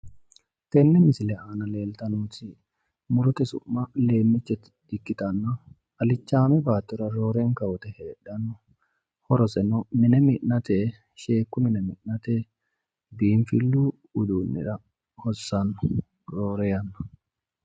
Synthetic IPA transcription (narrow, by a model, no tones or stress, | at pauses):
t̪ɛnːɛmɪsɪlɛaːnɐle̞ːlt̪ɐnuːt̪ɪ | mʊɾɔt̪ɛsʊ̰mːɐle̞ːmːɪt͡ʃːɛt̪ɪd̪̥ɪkːɪt̪ɐnːɐ | ɐlɪt͡ʃːaːmɛbaːt̪ːɪɾɐɾo̞ːɾeːŋkɐwɔt̪ɛheːᶑɐnʊ | hɔɾɔsɛnɔmɪnɛmɪʔnɐt̪eː | ʃe̞ːkːʊmɪnɛmɪ̰ʔnɐt̪eː | biːnfɪlːuː | ʊd̪uːnːɪ̰ᶑɐ | hɔsːɐnʊ̥ | ɾoːɾɛjɐnːɐ̥